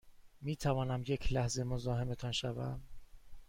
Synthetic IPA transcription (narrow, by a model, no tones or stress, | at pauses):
miːt̪ʰævɒːnæmje̞cʰlæhze̞mozɒːɦe̞me̞t̪ʰɒnʃævæ̰m